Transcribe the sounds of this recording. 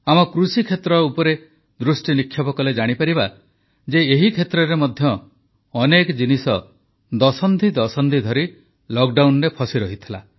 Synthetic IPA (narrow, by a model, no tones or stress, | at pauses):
amɔkɾusikʰet̪ɾɔupɔɾe | d̪ɾusʈinikʰːjɔpɔkɔled͡ʒaɽ̃ipaɾiba | d͡ʒeːɦikʰet̪ɾɔɾemɔd̪ʱjɔː | nekɔd͡ʒinisɔ | d̪ɔsɔnd̪ʱid̪ɔsɔnd̪ʱid̪ʱɔɾi | lɔk̚ɖawnɾepʰɔsiɾɔɦit̪ʰila̰